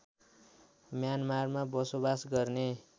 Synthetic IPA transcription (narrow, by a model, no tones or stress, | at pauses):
mjanmarmabʌsobasɡʌrne